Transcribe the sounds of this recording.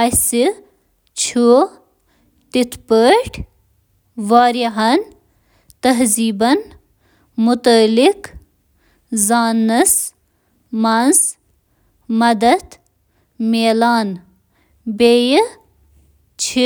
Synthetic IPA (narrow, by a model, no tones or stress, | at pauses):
jsi | t͡ʃʰu | t̪it̪ʰpəːʈʰ | ʋaːɾiɦɐn | t̪ɐɦziːbɐn | mʊt̪əlik | zaːnɐs | mɐnz | mɐd̪ɐd̪ | meːlaːn | bej | t͡ʃʰ